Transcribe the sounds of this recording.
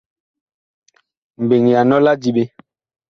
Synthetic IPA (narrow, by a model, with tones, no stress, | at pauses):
m̩˨be˨ŋ˨ja˨nɔ˦la˦d͡ʒi˦ɓe˦